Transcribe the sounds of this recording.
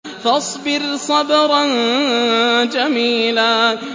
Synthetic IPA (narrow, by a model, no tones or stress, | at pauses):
fɑsˤbɪɾsˤɑbɾɑn | d͡ʒamiːlaː